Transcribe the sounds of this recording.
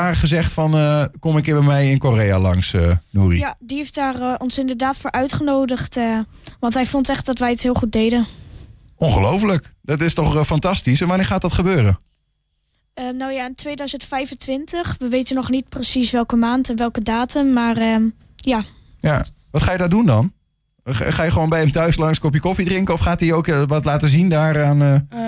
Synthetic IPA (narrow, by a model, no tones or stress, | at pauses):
aːχəzɛχtfɑnəkɔmɪkɪːɹbɛjmɛjɪnkoreja̰lɑŋsənuːrḭjadiejftaːrɔnsɪndəɹdaːtfoːɹʔœɥtχənowdəχtʋɑntɦɛjfɔntɛχt̚dɔtʋɛjətɦɪːlˠχut̚dejdən | ʔɔnχəlowfələkd̥ɑtɪstɔχfɑntɑstisɛnʋanɪːɹχaːt̚dɑtχəbøːɾə | ənawjaɪntʋeːdœɥzəntfɛjvəntʋɪntəχʋəʋejtənɔχnit̚prəsisʋɛlˠkəmaːntɛnʋɛlˠkədaːtəmːarə | ja | j | ʋɑtχaːjədaːɹdundɑn | χaːjəχəʋoːnbɛjɛmtœɥslɑŋskɔp̬jəkɔfidrɪŋkəɔfχaːtiowkəʋɑtlaːtəzindaːɾaːnə